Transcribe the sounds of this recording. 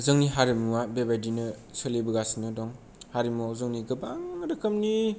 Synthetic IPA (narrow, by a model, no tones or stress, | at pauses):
zɯŋniɦaɾimuwabebajdinɯ | sɯlebɯɡasinɯdɔŋ | haɾimːuazɯŋniɡɐbaŋdɐkʰɐmni